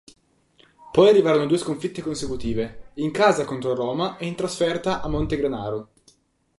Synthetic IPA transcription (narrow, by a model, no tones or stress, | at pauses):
pɔjarːivaːɾonod̪uːeskoɱfit̪ːekonsekut̪iːveiŋkaːzakont̪ɾoɾoːmaʔeint̪ɾasfɛrt̪aʔamːont̪eɡɾanaːɾo